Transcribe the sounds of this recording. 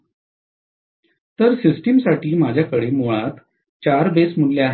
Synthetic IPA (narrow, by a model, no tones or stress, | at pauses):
t̪əɾsisʈimsaʈiːmad͡ʑʱjakəɽemuɭat̪ | t͡ɕaɾbesmulljaaɦ